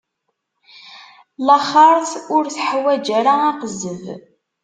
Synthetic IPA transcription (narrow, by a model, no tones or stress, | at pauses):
ləχɑɾˤθʊɾθħwæd͡ʒæɾaɑqəzəv